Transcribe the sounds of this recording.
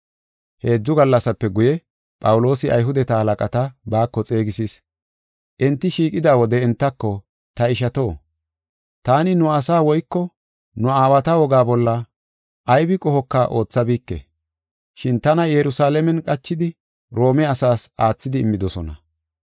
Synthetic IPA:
he̞ːd͡zːʊɡɐlːɐsɐpːɛɡʊjɛ | pʼɐwʊlo̞ːsɪʔɐ̰jɦʊd̪ɛt̪ɐhɐlɐkʼɐt̪ɐbaːkːɔt͡sʼe̞ːɡɪsis | ʔɛnt̪ːɪʃiːkʼɪd̪aːwɔd̪ɛɪnt̪ːɐkːɔ | t̪ɐɪʃɐt̪o̞ː | t̪aːnɪnʊɐsaːwɔjkːɔ | nʊaːwɐt̪ɐwɔɡaːbɔlːɐ | ʔːjbɪkʼɔhɔkːaʔo̞ːt͡sːɐbiːkːɛ̰ | ʃɪnt̪ɐnɐjɛɾʊsaːlɛmɛnkʼɐt͡ʃːɪd̪ɪ | ɾo̞ːmɛɐsaːsʔaːt͡sːɪd̪ɪːmːɪd̪ɔsɔnɐ̰

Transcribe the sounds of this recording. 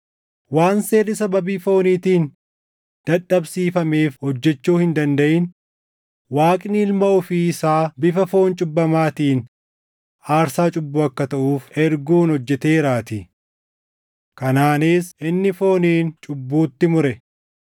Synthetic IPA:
waːnseːrːɪsɐbɐbiːfo̞ːniːt̪iːn | d̪̥ɐᶑːɐbsiːfɐme̞ːfhɔd͡ʒːɛt͡ʃːuːhɪnd̪ɐnd̪ɐʔɪn | waːkʼɪnɪɪlmɐɔfiːɪsaːbɪfɐfo̞ːnt͡ʃʼʊbːɐmaːt̪iːn | aːɾsaːt͡ʃʼʊbːuːɐkːɐt̪ɐʔuːfɛɾɡuːnhɔd͡ʒːɛt̪e̞ːɾaːt̪ɪ | kɐnaːneːsʔɪnːɪfo̞ːniːnt͡ʃʼʊbːuːt̪ːɪmʊɾɛ

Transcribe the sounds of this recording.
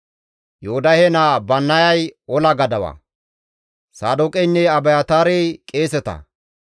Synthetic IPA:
joːd̪ɐhɛnaːbɐnːɐjɐjɔlɐɡɐd̪ɐwɐ̰ | saːd̪ʊkʼɛjnːɛɐbɐjɐt̪aːɾejkʼeːsɛt̪ɐ̰

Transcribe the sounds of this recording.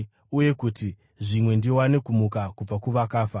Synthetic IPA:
uje̞kuti | ʐimwe̞ndiwanekumukakub͡vakuʋakaːfa

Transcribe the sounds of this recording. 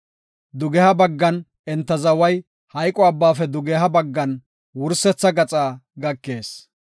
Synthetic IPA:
d̪ʊɡɛhɐbɐɡːɐn | ɛnt̪ːɐzɐwɐj | hɐjkʼɔɐbːaːfɛd̪ʊɡɛɦɐbɐɡːɐn | wʊɾsɛt͡sːɐɡɐt͡sʼaːɡɐkːe̞ːs

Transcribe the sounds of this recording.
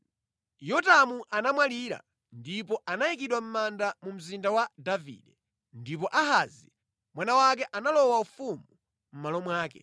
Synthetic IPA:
jɔtamuʔanamwaliːɾa̰ | ndipɔʔanajikiɗwam̩mandamum̩zindawadavḭɗɛ | ndip̬ɔʔaɦazi | mwanawakɛʔanalɔwaufumu | m̩malɔmwaːkɛ̰

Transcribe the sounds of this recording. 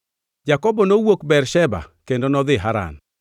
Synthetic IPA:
d͡ʒakɔbɔnowokbɛrʃɛba̰kendonɔd̪ɪɦaɾa̰n

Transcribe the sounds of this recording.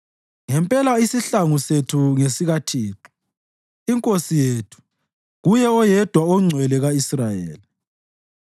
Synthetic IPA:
ŋɛmpʼɛlaisiɬaŋusetʰuŋesiɣatʰiːǁɔ̥ | iŋkʼosijetʰu̥ | ɣujɛɔjɛd̥ʱwaɔŋ͡ǀʱwɛlɛɣaisrajḛːli

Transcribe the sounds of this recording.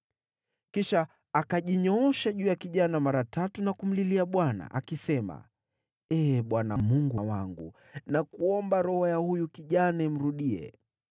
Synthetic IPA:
kiʃaː | kaʄiɲɔɔʃaʄuːjakiʄanamaɾatatunakum̩liliaɓwana̰ʔa̰kisɛma̰ | ɛɓwanamuŋɡuwaŋɡṵ | nakuɔmbaɾɔhɔjahujukiʄanaɛm̩ɾuɗiɛ̰

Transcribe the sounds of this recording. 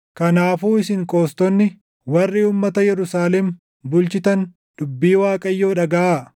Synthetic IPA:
kɐnaːfuːɪsɪŋkʼo̞ːst̪ɔnːɪ | wɐrːiːuːmːɐt̪ɐjɛɾʊsaːlɛm | bʊlt͡ʃɪt̪ɐn | d̪̥ʊbːiːwaːkʼɐjːo̞ːᶑɐɡɐʔaː

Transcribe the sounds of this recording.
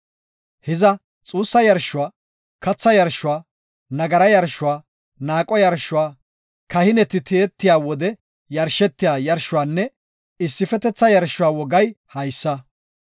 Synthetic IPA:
hɪzɐ | t͡sʼuːsːɐjɐɾʃʊwaː | kɐt͡sːɐjɐɾʃʊwaː | nɐɡɐɾɐjɐɾʃːʊwaː | naːkʼɔjɐɾʃʊwaː | kɐhɪnɛt̪ɪt̪ʰeːt̪ːɪjaːwɔd̪ɛ | jɐɾʃɛt̪ːɪjaːjɐɾʃʊwaːnːɛ | ɪsːɪfɛt̪ɛt͡sːɐjɐɾʃʊwaːwɔɡɐjhɐjsːɐ

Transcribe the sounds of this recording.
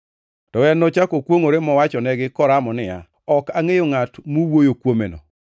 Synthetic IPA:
tɔwɛnːɔt͡ʃakokwoŋoɾemɔwat͡ʃɔnɛɡɪkɔɾamɔnɪja̰ | ɔkaŋejoŋatmuwojokwomenɔ̰

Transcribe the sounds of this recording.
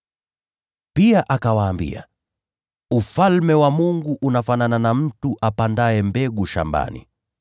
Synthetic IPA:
piaʔakawaːmbḭa̰ | ufalmɛwamuŋɡuʔunafanananam̩tuʔapandaɛmbɛɡuʃa̰mba̰nḭ

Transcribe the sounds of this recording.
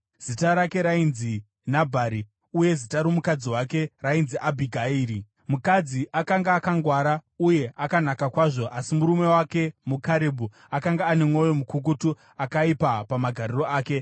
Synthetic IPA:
z̥itaɾake̞ɾainzi | nabʱaɾi | uje̞zitaɾomukad͡ziwake̞rainziʔabʱiɡʱaiːɾi | mukad͡ziʔakaŋɡaːkaŋɡwaɾauje̞ʔakanakakwaːʐo̞ʔasimuɾume̞wake̞mukaɾebʱu | akaŋɡaːne̞mwo̞jomukuk̬utu | akaipapamaɡʱariro̞aːke̞

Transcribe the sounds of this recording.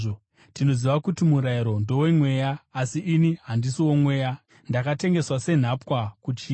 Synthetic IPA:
tino̞ziʋakutimuɾaiɾo̞ndo̞wemwe̞ːjaːsiʔːniɦandisiwo̞mwe̞ːja | ndakate̞ŋɡe̞swase̞n̤apwakut͡ʃiː

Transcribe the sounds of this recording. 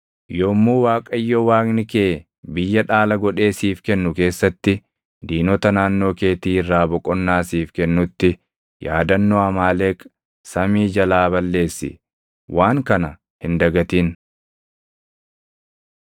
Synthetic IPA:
joːmːuːwaːkʼɐɪjːɔwaːknɪkeː | bɪjːɐᶑaːlɐɡɔᶑe̞ːsiːfkɛnːʊke̞ːsːɐt̪ːɪ | d̪iːnɔt̪ɐnaːnːo̞ːke̞ːt̪iːɪrːaːbɔkʼɔnːaːsiːfkɛnːʊt̪ːɪ | jaːd̪ɐnːoːɐmaːleːkʼ | sɐmiːd͡ʒɐlaːbɐlːe̞ːsːɪ̰ | wʔaːŋkɐnɐ | hɪnd̪ɐɡɐt̪iːn

